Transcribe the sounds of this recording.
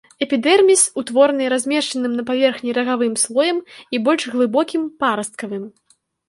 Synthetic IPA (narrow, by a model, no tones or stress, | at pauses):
ɛpʲid̪ɛrmʲisʲut̪vɔrnɨɾazʲmʲɛʂt͡ʂɐnɨmnɐpavʲɛrxnʲiɾɐɣavɨmslˠɔjɐmibɔlʲʂɣlˠɨbɔkʲimpaɾɐst̪̚kɐvɨm